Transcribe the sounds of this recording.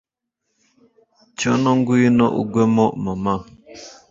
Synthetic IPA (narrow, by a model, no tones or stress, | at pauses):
t͡ʃɔnɔŋɡujinɔʔṵɡwɛmɔʔmama